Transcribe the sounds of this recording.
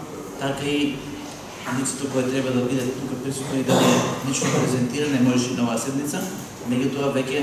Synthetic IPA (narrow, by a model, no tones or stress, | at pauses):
t̪akai | lit̪sɛ̥t̪okɔjat̪ɾɛbad̪abid̪ait̪nupɛt̪̚pisut̪oid̪anɛnit͡ʃkopɾɛzɛnt̪iɾanɛmɔʒɛʃinɔvasɛd̪nit̪sa | mɛɟut̪oavɛcʲɛ